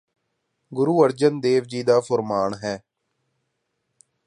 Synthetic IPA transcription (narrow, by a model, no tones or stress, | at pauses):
ɡʊɾuːəɾd͡ʒənd̪eːʋd͡ʒiːd̪aːpʰəɾmaːɳɦɛː